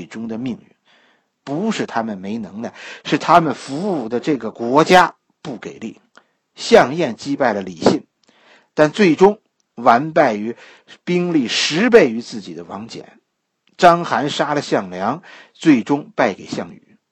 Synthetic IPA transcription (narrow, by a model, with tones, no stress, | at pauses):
ʈ͡ʂʊ˥ŋd̪ə˨mi˥˧ŋɥy̰˥˩n | pu˧˥ʂɻ̩˥˩t̪ʰa˥mə˨nme˧˥ɪnɤ˧˥ŋd̪ə˧ʂɻ̩˥˩t̪ʰa˥mə˨nfu˧˥u˥˩d̪ə˩ʈ͡ʂɤ˥˩ɡə˩kwɔ˧˥t͡ɕja˥ | pu˥˩ke˨˩ɪlḭ˥˩ | ɕjɑ˥˧ŋjɛ˥˩nt͡ɕi˥pa˥˩ɪlə˩li˨˩ɕi˥˩ŋ | t̪a˥˧nt͡swe˥˩ɪʈ͡ʂʊ˥ŋ | wa˧˥npa˥˩ɪy˧˥ | pi˥ŋli˥˩ʂɻ̩˧˥p̬e˥˩ɪy˧˥t͡sɹ̩˥˩t͡ɕḭ˨˩d̪ə˦wɑ˧˥ŋt͡ɕjɛ̰˨˩˦n | ʈ͡ʂɑ˥ŋxa˧˥nʂa˥lə˨ɕjɑ˥˩ŋljɑ˧˥ŋt͡swe˥˩ɪʈ͡ʂʊ˥ŋpa˥˩ɪke˨˩ɪɕjɑ˥˩ŋy̰˨˧˩